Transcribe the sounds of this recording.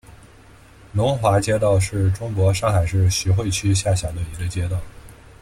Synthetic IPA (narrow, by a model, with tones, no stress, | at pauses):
nʊ˧˥ŋxwa˧˥t͡ɕjɛ˥t̪ɑ˥˧ʊʂɻ̩˥˩ʈ͡ʂʊ˥ŋkwɔ˧˥ʂɑ˥˩ŋxa˨˩ɪʂɻ̩˥˩ɕy˧˥xwe˥˩ɪt͡ɕʰy˥ɕja˥˩ɕjɑ˨˩d̪ə˦˧i˧˥ɡə˧t͡ɕjɛ˥t̪ɑ˥˩ʊ